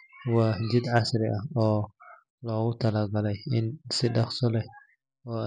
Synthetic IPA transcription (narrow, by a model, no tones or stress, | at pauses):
wɑːd͡ʒɪd̪ʕɑsɾɪʔɐɔː | lɔːɣʊt̪ʰɐlɐːɡɐlɛjɪnsɪɖɑχsɔlɛh | ɔː